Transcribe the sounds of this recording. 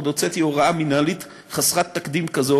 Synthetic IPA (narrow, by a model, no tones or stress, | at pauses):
d̪ot͡set̪joʁaaminalit̪ | χasʁat̪ːakd̪imkazo